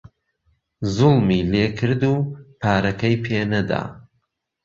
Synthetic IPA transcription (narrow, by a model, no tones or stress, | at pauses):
zʊlˠmiːleːkʰɨɾd̪uːpʰaːɾɐkɐjpʰeːnɐd̪a̰ː